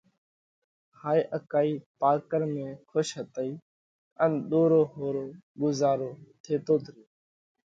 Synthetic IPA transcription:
haːiːʔəkaːiːpaːkəɾmẽːkʰʊʃɦət̪əiː | ənɗ̪oːɾoːɦoːɾoːɡʊzaːɾoːt̪ʰeːt̪oːt̪ɾoː

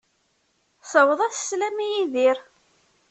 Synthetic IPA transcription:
səwəðˤæθə̥slæmijiðiɾ

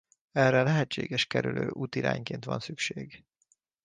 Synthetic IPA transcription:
ɛrːɛlɛɦɛt͡ʃːeːɡɛʃkɛɾyløːʔuːt̪iɾa̰ːɲkeːnt̪ʋɒ̰nsykʃeːɡ

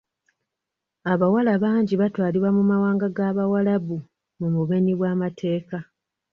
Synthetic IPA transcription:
aβawalaβaːɲɟiβatwaːliβwamumawaːŋɡaɡaβawalaβu | mumuβe̞niβwaːmatʰe̞ːka

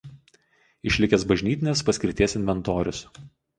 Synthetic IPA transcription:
ɪʃʲlʲɪkʲɛsbɐʒʲnʲiːt̪ʲɪnʲespɐsʲkʲɾɪt̪ʲiɛsɪnʲʋʲɛnt̪oːɾʲʊs

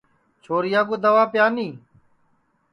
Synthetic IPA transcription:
t͡ʃʰoːɾɪjaːɡoːd̪əʋaːpjaːniː

